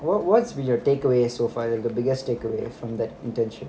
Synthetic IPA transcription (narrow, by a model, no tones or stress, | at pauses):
ʋɔʋɔʈsbĩnjɔʈeːkəʋeːsoːfaːɾɪld̪əbɪɡəsʈʈeːkəʋḛːfɾɔ̃md̪æʈɪ̃nɳʈɛ̃nʃə̃n